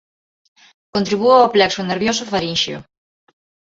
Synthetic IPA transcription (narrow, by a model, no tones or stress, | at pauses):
kont̪ɾiβuplɛksoneɾβjosofaɾinʃjo̰